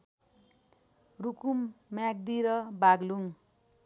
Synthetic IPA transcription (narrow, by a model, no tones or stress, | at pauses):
rukummjak̚d̪iɾʌbaɡluŋ